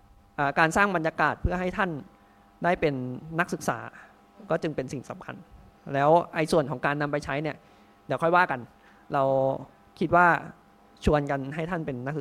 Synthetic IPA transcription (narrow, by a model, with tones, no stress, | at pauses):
ʔaː˨˩kaː˧nsaː˥˩ŋba˧njaː˧kaː˨˩t̪̚pʰɯ˥˩ɐɦa˥˩jt̪ʰa˥˩n | daː˥˩jpe˧nːa˦˥k̚sɯ˨˩k̚sa̰ː˩˦ | kɔː˥˩t͡ɕɯ˧ŋpe˧nsi˨˩ŋsa˨˩˦mkʰa̰˧n | lɛː˦˥wʔa˧jsu˨˩ənkʰɔː˩˦ŋkaː˧nːa˧mpa˧jt͡ɕʰa˦˥jni˥˩ɐ | d̪iː˨˦wkʰɔ˥˩jwaː˥˩ka˧n | ɾa˧w | kʰi˦˥t̪̚waː˥˩ | t͡ɕʰu˧ənka˧nɦa˥˩jt̪ʰa˥˩npe˧nː˦˥k̚sɯ˨˩